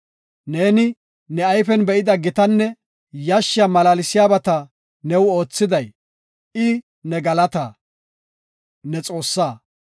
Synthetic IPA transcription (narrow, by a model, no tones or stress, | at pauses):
ne̞ːnɪ | nɛajfɛnbɛʔɪd̪ɐɡɪt̪ɐnːɛ | jɐʃːɪamɐlaːlɪsɪjaːbɐt̪ɐ | nɛwo̞ːt͡sːɪd̪ɐj | ɪ | nɛɡɐlɐt̪ɐ | nɛt͡sʼo̞ːsːaː